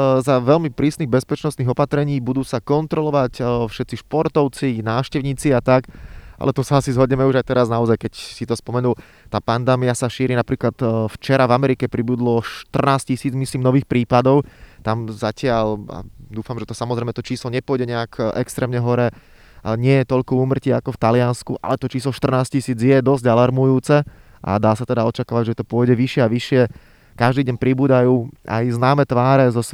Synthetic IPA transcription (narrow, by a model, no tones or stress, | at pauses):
zaʋɛʎmipɾiːsniɣbɛspɛt͡ʃnɔst̪niɣɔpat̪ɾɛɲiːbud̪uːsakɔnt̪ɾɔlɔʋacfʃɛt̪t͡siʃpɔɾt̪ɔʊt͡sinaːʃcɛʊɲiːt͡siat̪aka̰lɛt̪ɔsaasizɦɔɟɲɛmɛuʒajt̪ɛɾaznaɔzajkɛcsit̪ɔspɔmɛnuːl | t̪aːpand̪ɛːmiasaʃiːɾinapɾiːklat̪ft͡ʃɛɾavamɛɾikɛpɾibud̪lɔʃt̪r̩naːs̚cisiːd͡zmisliːmnɔʋiːxpɾiːpad̪ɔʊt̪amzacɪaʎa̰d̪uːfamʒɛt̪ɔsamɔzɾɛɪmɛt̪ɔt͡ʃiːslɔɲɛpʊɔjɟɛɲɛakʔɛ̰kst̪ɾɛːmɲɛɦɔɾɛ | ɲɪɛjɛt̪ɔʎkɔuːmr̩ciːakɔft̪alɪanskuʔa̰lɛt̪ɔt͡ʃiːslɔʃt̪r̩naːscisiːd͡zjɛd̪ɔzɟalaɾmujuːt͡sɛ | ʔa̰d̪aːsat̪ɛd̪aɔt͡ʃakaːʋaɟʒɛt̪ɔpʊɔjɟɛʋiʃɪɛaʋiʃɪɛ | kaʒd̪iːɟɛɲpɾibuːd̪ajuːa̰jznaːmɛt̪ʋaːɾɛzɔs